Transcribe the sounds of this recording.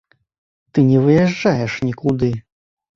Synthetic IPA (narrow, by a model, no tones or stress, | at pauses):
t̪ɨnʲɛvɨjɛʐd͡ʐajɛʂnʲikud̪ɨ